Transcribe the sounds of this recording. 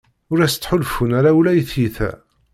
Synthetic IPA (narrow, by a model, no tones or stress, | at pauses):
ʊɾæst͡sːħʊlfunæɾawlæjθjiθæ̰